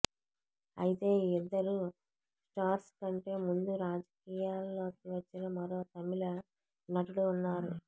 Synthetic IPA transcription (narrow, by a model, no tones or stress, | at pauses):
ɐ̰jit̪e̞ːid̪ːɐɾu | sʈaːɾskɐɳʈe̞ːmund̪uɾaːd͡ʒɐkiːjaːlːo̞ːkiʋɐt͡ʃːinɐmɐɾo̞ːt̪ɐmilɐ | nɐʈuluːnːaːɾu